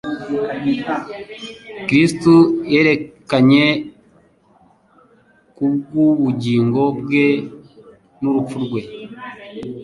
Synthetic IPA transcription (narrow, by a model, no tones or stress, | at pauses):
kɾistuje̞ːɾe̞kaɲe̞ | kub̚ɡuβuɟiːŋɡo̞bwe̞ | nuɾup͡fuɾɡwe̞